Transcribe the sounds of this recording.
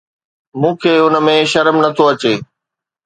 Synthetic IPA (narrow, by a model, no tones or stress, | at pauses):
mũːkʰeːʊnə̆mẽʃɐɾmnɐt̪ʰoɐt͡ɕeː